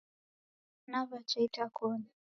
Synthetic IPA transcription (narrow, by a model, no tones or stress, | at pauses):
naβat͡ʃɛitakɔɲa